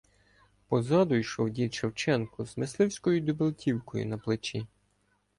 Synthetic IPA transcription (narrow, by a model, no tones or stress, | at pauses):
pɔzɑd̪ʊjʃɔwdʲit͡ʃewt͡ʃɛnkʊzmeslˠɪwsʲkɔjʊd̪ʊbɪlˠtʲiwkɔjʊ̰nɐplˠɪt͡ʃʲi